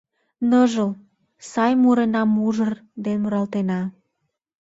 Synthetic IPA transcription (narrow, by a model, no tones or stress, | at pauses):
nəʒəl | sɑjmuɾenɑmuʒərd̪enmuɾɑlt̪enɑ